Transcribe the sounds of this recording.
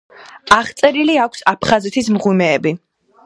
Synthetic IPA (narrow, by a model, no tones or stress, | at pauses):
aχt̪sʼɛɾiliakʷʰsapʰχazɛt̪ʰismʁimɛːbi